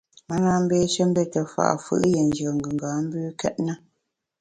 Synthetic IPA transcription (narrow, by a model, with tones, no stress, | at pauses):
ma˦na˦m̩˦beː˦ʃə˦m̩˦be˦˨tə˨fa̰˨ʔfɯ̰˦ʔjɛ˨n˦d͡ʒə˨ŋ̩˨ɡə˨ŋ˨ɡaː˨˦m̩˦bʉː˦kɛ˦ʔ̚nə˦